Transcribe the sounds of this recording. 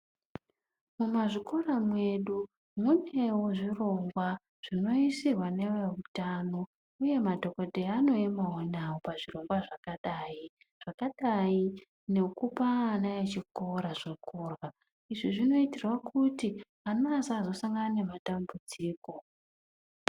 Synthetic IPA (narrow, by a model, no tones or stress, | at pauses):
mumaʐiko̞ramwe̞ɗu | mune̞woʐiro̞ŋɡwa | ʐ̥ino̞isirwane̞weutano̞ | uje̞madʱo̞ko̞dʱeano̞emaonawopaʐiro̞ŋɡwaʐakaɗaːi | ʐ̥akaɗai | ne̞kupanajet͡ʃikoɾaʐokorwa | iʐiʐino̞itirwakʰuti | anaːzaːzo̞saŋɡanane̞matambud͡ziːko̞